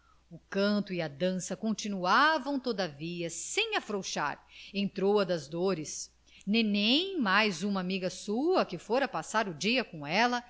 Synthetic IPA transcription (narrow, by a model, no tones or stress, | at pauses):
ʊkɐ̃nt̪ʊiɐd̪ɐ̃sɐkõnt͡ʃinuavɐ̃w̃t̪od̪ɐviɐsẽj̃afɾowʃa̰ɾẽnt̪ɾowɐd̪ɐzd̪oɾɪs | nẽj̃nẽj̃majzũmɐamiɡɐsuɐkɪfoɾɐpasaɾʊd͡ʒiɐkõɛlɐ